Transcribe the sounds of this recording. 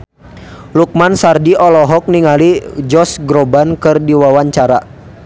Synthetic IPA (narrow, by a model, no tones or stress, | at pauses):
luk̚mansardiʔɔlɔɦɔk̚niŋalid͡ʒɔsɡɾɔbankɨrdiwawaɲt͡ʃaɾa̰